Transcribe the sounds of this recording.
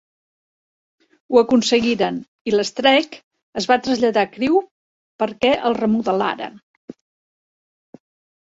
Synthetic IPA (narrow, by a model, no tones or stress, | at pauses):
uəkunsəɣiɾən | iləst̪ɾɛk | əzβat̪ɾəzʎəðakɾiw | pəɾkɛʔəlˠrəmuðəla̰ɾə̰n